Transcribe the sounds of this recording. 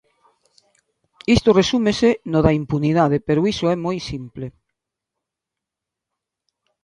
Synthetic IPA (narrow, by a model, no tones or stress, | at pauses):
ist̪oresumesenoðaimpuniðað̞epeɾoisoɛmojsimple